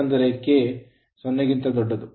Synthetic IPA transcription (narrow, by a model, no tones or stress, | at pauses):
ɐnd̪ɐɾeke | sɔnːeɡint̪ɐd̪ɔɖːɐd̪u